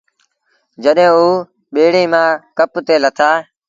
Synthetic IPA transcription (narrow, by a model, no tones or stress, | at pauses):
d͡ʒəɗɦẽːuː | ɓeːɽĩːmãːkəpt̪eːlət̪ʰaː